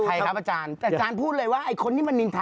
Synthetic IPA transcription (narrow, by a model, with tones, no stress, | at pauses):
kʰa˧˩jkʰa˦˥p̚a˧t͡ɕaː˧nɛ˧˩ʔt͡ɕaː˧npʰuː˥˩t̪̚lɤː˧jwaː˥˩ʔa˧˩jkʰo˧nːiː˥˩ma˧nːi˧nt̪ʰa˧